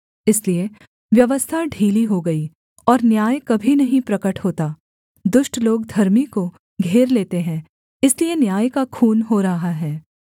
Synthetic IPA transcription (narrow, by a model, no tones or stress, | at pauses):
ɪslie | ʋjɐʋəst̪ʰaɖʱiːliɦoɡɐi | ɔːɾnjaːjkɐbʱinɐɦĩpɾɐkəʈɦoːt̪aː | d̪ʊʃʈloːɡd̪ʱɐɾmiko | ɡʱeːɾleːt̪eɦɛ̃ | ɪslienjaːjkakʰuːnɦoɾɐɦaɦɛː